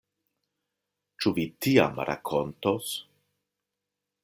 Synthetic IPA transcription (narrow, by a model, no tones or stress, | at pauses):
t͡ʃuvit̪ia̰mɾa̰kʰont̪os